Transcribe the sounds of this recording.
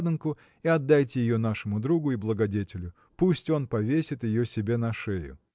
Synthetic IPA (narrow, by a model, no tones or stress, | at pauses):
d̪ɨnkʊ | iɐd̪ːajt̬ʲɪjɪjo̞n̪aʂɨmʊd̪ɾuɡʊɪblˠəɡɐdʲetʲɪlʲʊ | pusʲtʲo̞npɐvʲesʲɪt̪jɪjosʲɪbʲe̞nɐʂejʊ̰